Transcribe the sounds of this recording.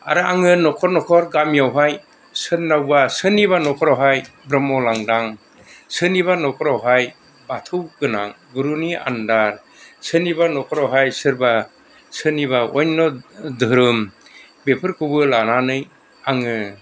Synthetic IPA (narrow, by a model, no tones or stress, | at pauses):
a̰ɾɯaŋɯnɔkʰɔɾnɔkʰɔɾɡamjawɦaj | sɯnːawbasɯniβanɔkʰɔɾɔwɦajbɾɔmɔlaŋdaŋ | sɯniβanɔkʰɔɾawɦaj | batʰɯwɡɯna̰ŋ | ɡuɾunia̰ndaɾ | sɯnibanɔkʰɔɾawɦajsɯɾba | sɯniβaɔjnːɔdɯɾɯm | bepʰɯɾkʰubɯlananɯj | aŋɯ